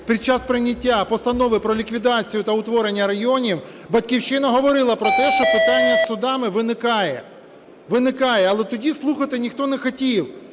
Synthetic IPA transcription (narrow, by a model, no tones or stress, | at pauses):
pʲid̪̚t͡ʃɑspɾɪnʲːɐtʲːapɔst̪ɐnɔʋɪpɾɔlʲikʋʲid̪ɑt͡sʲijʊt̪ɐʊt̪ʋɔɾenʲːɐɾɐjɔnʲiw | bɐtʲkʲiwt͡ʃɪnɐɦɔʋɔɾɪlˠɐpɾɔt̪ɛʃt͡ʃɔpɪt̪ɑnʲːɐsːʊd̪ɑmɪʋɪnɪkɑjɛ | ʋɪnɪkɑjɛɐlˠɛt̪ɔdʲislˠuxɐt̪ɪnʲixt̪ɔnɛxɔtʲiw